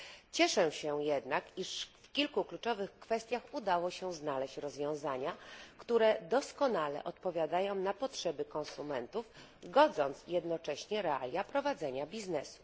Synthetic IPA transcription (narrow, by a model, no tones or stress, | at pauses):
t͡ɕɛʂɛɕɛjɛd̪nakiʂfkʲilkuklut͡ʂɔvɘxkfɛst̪ʲjaxud̪awɔɕɛznalɛɕt͡ɕɾɔzvʲjɔ̃w̃zaɲakt̪uɾɛd̪ɔskɔnalɛ̰ʔɔt̪pɔvʲjad̪ajɔ̃w̃napɔtʂɛbɘkɔñsumɛnt̪uf | ɡɔd̪zɔnt̪sjɛd̪nɔt͡ʂɛɕɲɛɾɛa̰lʲjapɾɔvad̪zɛɲabʲiznɛsu̥